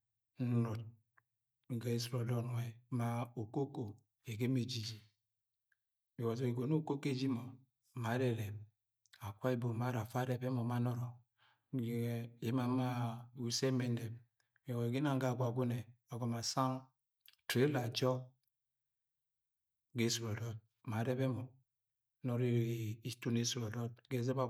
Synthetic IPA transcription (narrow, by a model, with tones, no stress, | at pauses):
n̩˦nu˨t̚ | ŋ˨ɡa˨˦i˦sɾo˨dɔ˦n˨e˨ma˦o˨ko˦ko˨ | e˨ɡe˦me˨d͡ʒi˦d͡ʒi˨ | i˨wa˨zo˨e˨ɡo˨no˦ko˦ke˦d͡ʒi˦mo˨ | ma˨˦ɾe˦ɾe˨p | a˨kʷa˦e˦bo˨ma˨˦ɾa˨fa˦ɾe˦be˦mɔ˨ma˦nɔ˦ɾɔ˨ | je˨˦ma˨ma˦˨u˨se˦me˦˨ndɛ˨b | wo˨ɡi˦na˦ŋ˦ɡa˦˨ɡʷa˨ɡu˦ne˨ | a˨ɡɔ˨ma˨sa˦ŋ | tɾe˦la˨d͡ʒɔ˦ | ɡe˦su˨ɾo˨ɾɔ˦t̚ | ma˨˦ɾe˦be˦mɔ˨˦ | nɔ˨ɾi˦˨i˦˨tu˦ne˦su˨ɾo˨ɾɔ˦t̚ɡe˦ze˦ba˦